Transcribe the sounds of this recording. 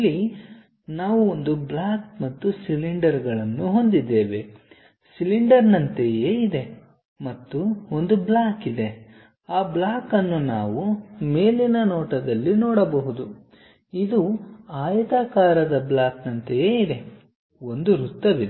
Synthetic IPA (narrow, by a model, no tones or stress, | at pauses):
ilːi | naːʋuond̪ublaːkmɐt̪ːusiliɳɖɐɾɡɐɭɐnːuɦo̞nd̪id̪ːe̞ːʋe̞ | siliɳɖɐɾnɐnt̪ejeːid̪e̞ | mɐt̪ːuond̪ublaːkid̪e̞ | aːblaːkɐnːunaːʋume̞ːlinɐnɔːʈɐd̪ɐlːinɔːɽɐbɐɦud̪u | id̪uaːjɐt̪aːkaːɾɐd̪ɐblaːknɐnt̪ejeːid̪e̞ | o̞nd̪uɾut̪ːɐʋid̪e